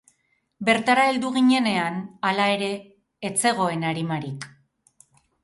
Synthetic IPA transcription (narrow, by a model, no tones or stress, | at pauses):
be̞ɾt̪aɾae̞ld̪uɣiɲe̞ne̞analae̞ɾe̞ː | t͡se̞ɣ̞o̞e̞naɾimaɾik